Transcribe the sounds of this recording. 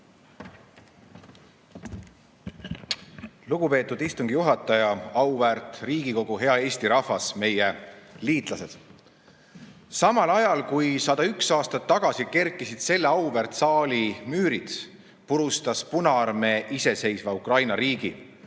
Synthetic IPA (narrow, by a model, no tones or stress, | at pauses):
luɡ̥upe̞ːt̪ːud̪ist̪uŋɡijuɦɑt̪ːˑɑjɑɑwvært̪ˑriːɡ̥iko̞ɡ̥uɦe̞ɑe̞ːsʲt̪iɾɑfɑsme̞jeliːt̪ˑlɑse̞d̪̥ | sɑmɑlɑjɑlkujsɑd̪̥ɑyksɑːst̪ɑt̪ːɑɡ̥ɑsike̞rkːˑisid̪̥se̞lːeɑwvært̪sɑːlimyːɾit̪ | puɾust̪ɑspunɑɑrme̞ʔise̞se̞jsvɑukrɑjnɑɾiːɡ̥i